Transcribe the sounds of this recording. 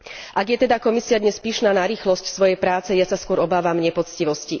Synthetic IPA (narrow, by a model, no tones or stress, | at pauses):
ʔaɡjɛt̪ɛd̪akɔmisiad̪ɲɛspiːʃnaːnaɾiːxlɔscsʋɔjɛjpɾaːt͡sɛjasaskʊɔɾɔbaːʋamɲɛpɔt͡sciʋɔsci